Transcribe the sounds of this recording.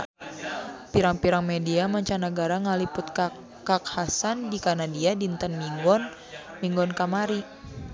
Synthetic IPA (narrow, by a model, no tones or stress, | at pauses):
piɾaŋpiɾaŋmediamaɲt͡ʃanaɡaɾaŋalipʊt̪̚k | kak̚hasandikanadiadint̪anmiŋɡɔn | miŋɡɔnkamaɾi